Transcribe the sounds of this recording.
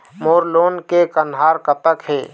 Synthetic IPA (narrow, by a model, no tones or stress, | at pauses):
moːɾloːnkekənɦaːɾkəpəkɦeː